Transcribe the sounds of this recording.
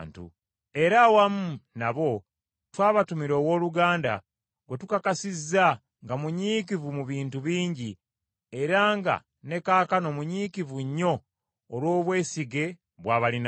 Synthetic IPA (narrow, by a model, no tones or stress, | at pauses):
ntṵ | e̞ɾawamunaβo̞ | twaːβatumiɾo̞ːwo̞ːluɡaːnda̰ | ɡwe̞tukakasizːa | ŋɡamuɲiːkivumuβiːntuβiːɲɟi | e̞ɾaŋɡa̰ | ne̞kaːkano̞muɲiːkivuɲːo̞ː | lwo̞ːβwe̞ːsiɡe̞ | βwaːβalin